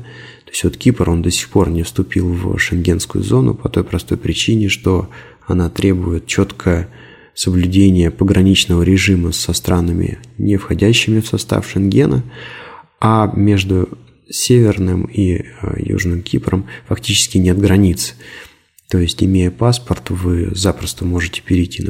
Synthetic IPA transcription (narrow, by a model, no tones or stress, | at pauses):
t̪o̞ɪsʲvo̞t̪kʲipəro̞nd̪əsʲɪ̥xpo̞rnʲɪfst̪ʊpʲilˠvʂɨnɡʲe̞nskʊ̰jʊ̰zo̞nʊ̰pɐt̪o̞jpɾɐst̪o̞jpɾʲɪt͡ɕinʲɪʂt̪o̞ | ɐnat̪ɾʲʔe̞bʊjɪt̪̚t͡ɕo̞t̪kʰəjə | səblʲʉdʲenʲɪjəpəɡɾɐnʲit͡ɕnəvəɾʲɪʐɨməsɐst̪ɾʔanəmʲɪ̰nʲɪfxɐdʲæɕːɪmʲɪfsɐst̪a̰fʂɨnɡʲe̞nə̰ | amʲe̞ʐd̪ʊ | sʲevʲɪrnɨmijṵʐnɨmkʲiprəmfɐktʲit͡ɕɪ̥skʲɪnʲet̪ɡɾɐnʲit̪s | t̪o̞jɪsʲtʲɪmʲejəpaspərt̪ʊvɨzapɾəst̪əmo̞ʐɨtʲɪ̥pʲɪɾʲɪtʲːin